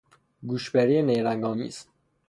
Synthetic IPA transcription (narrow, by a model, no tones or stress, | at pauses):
ɡuːʃbeɾijenejɾæŋɡɒːmḭːz̥